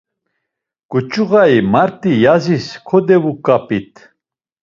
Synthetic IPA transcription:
kʼut͡ʃʼuɣaimaɾt̪ʼijaziskʰɔd̪ɛvukʼapʼit̪ʰʼ

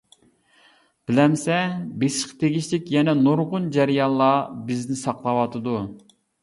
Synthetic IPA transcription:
b̥ɪlɛmsɛbeʃqt̪ʰeɡʲiʃlɪkʲjɛnɛnuɾʁʊnd͡ʒæɾjɑllːˠɑːbɪznɪsɑqlˠɑwɑt̪ʰɨd̪u

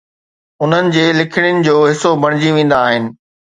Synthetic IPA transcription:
ʊn̤ənɪ̆d͡ʑeːlɪkʰɪɽ̃jnɪ̆d͡ʑoːɦɪsobʱɐɽ̃ɪd͡ʑiʋẽːn̆d̪aːɦɪnɪ̆

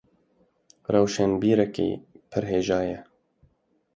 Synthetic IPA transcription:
rɛwʃɛnbiːɾɛkḛːpʰɪɾɦeːʒɑːjɛ

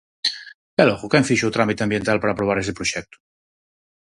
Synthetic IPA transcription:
kɛlɔɣokɛɱfiʃut̪ɾamit̪eãmbjent̪alpaɾapɾoβ̞aɾɛst̪epɾoʃɛk̚t̪u̥

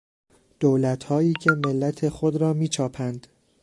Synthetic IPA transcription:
d̪̥oːlæt̪hɒːjiːcʰe̞melːæt̪ʰe̞xod̪ɾɒːmiːt͡ʃʰɒːpʰænd̪̥

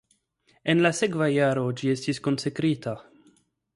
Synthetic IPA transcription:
enlase̞kvajaɾo̞d͡ʒiestisko̞nsekɾita

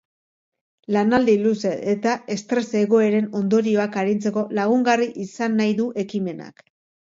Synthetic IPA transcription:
lanald̪iluseet̪ae̞st̪ɾe̞se̞ɣo̞e̞ɾe̞no̞nd̪o̞ɾio̞akaɾint͡se̞ko̞laɣ̞uŋɡariʔisanːajðuʔe̞kime̞na̰k

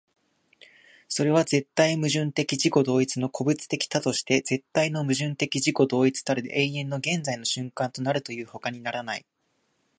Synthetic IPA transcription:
so̞ɾe̞β̞aze̞t̪ːaimɯ̟ʑɨ̃nt̪e̞kʲiʑiko̞d̪o̞ːit͡sɨno̞kʰo̞bɯ̟t͡sɨ̥t̪e̞kʲi̥t̪at̪o̞ɕi̥t̪e̞d͡ze̞t̪ːaino̞mɯ̟ʑɨ̃nt̪e̞kʲiʑiko̞d̪o̞ːit͡sɨ̥t̪aɾɯ̰ʔẽ̞iẽ̞nːo̞ɡẽ̞nd͡zaino̞ɕɨ̃ŋkãnt̪o̞naɾɯ̟t̪o̞jɯ̟ːho̞kaɲ̟inaɾanai

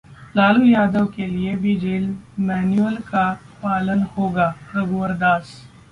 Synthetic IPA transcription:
laːlujaːd̪əʋkeliebʱid͡ʒeːlmɛːnuəlka | paːlənhoːɡaːɾɐɡuɐɾd̪aːs

